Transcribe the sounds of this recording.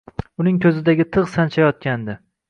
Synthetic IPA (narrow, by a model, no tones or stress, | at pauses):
ʊnɪŋkʲʰɵzɪd̪aɡʲɪt̪ʰɨʁsant͡ʃʰajɒt̪̚kʲand̪ɪ